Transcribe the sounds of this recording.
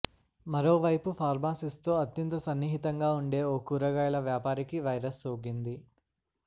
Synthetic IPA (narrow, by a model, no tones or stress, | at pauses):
mɐɾoːʋɐjpupʰaːɾmaːsist̪o̞ːɐt̪jɐnt̪ɐsɐnːiːɦit̪ɐŋɡaːuɳɖe̞ːoːkuːɾɐɡaːjɐlɐʋjaːpaːɾikiʋɐjɾɐsoːɡind̪i